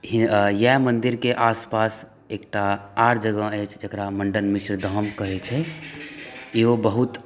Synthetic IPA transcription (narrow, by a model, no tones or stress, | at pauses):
ijɛmənd̪iɾkeʔaspas | ekʈaaɾd͡ʒəɡə̃ɛt͡ʃʰd͡ʒekɾaməɳɖənmisɾd̪ʱəmkəɦɛt͡ʃʰɛ | iɦobəɦut̪